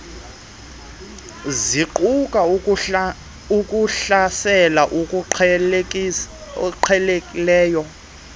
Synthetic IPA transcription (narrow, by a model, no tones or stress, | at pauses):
ziǃukʼa | ukʼuɬasɛlaʔu | ǃʰɛlekʼilɛːjɔ